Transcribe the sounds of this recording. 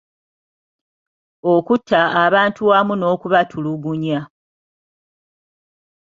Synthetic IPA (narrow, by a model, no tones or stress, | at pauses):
okutʰːaːβaːntuwamuno̞ːkuβatʰuluɡuɲa